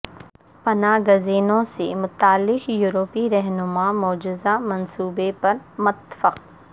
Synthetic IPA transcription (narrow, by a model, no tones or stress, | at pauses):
pɐnaːɡʊziːnõsemʊt̪aːlːɪʃjuːɾoːpiɾɛɦnʊmaːmʊːd͡ʒɪzamɐnsuːbepɐɾmʊt̪fəq